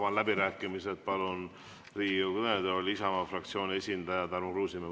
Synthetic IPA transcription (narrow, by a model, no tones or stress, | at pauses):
vɑnlæbiɾæːkːˑimised̪̚pɑlun | riːjukd̪ed̪olʲisɑmɑfrɑk̚t̪sio̞ːnʲe̞sʲind̪ɑjɑt̪ærmokruːsime